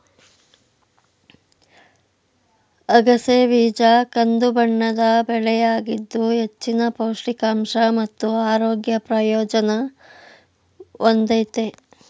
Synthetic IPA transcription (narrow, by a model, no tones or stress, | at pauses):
ɐɡɐseʋiːd͡ʒakɐnd̪ubɐɳːɐd̪ɐbɛɭɛjaːɡid̪ːuɦet͡ʃːinɐpɐwʂʈikaːmʂɐmɐt̪ːuaːɾoːɡjɐpɾɐjɔːd͡ʒɐnɐ | ʔond̪ɐt̪e